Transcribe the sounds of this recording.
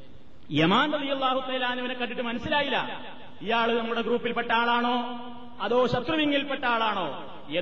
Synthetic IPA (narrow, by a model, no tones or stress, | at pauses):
jɐmaːnrɐðijɐlːaːɦut̪ɐːlaːnːiʋɐnekːɐʈːiʈːɨmɐnɐsːilaːjilːɐ̰ | ijaːɭnɐmːuɽe̞ɡruːpːilpeʈːaːɭaːɳo̞ː | ɐðo̞ːɕɐt̪rɐʋiŋːilpeʈːaːɭaːɳo̞ː | je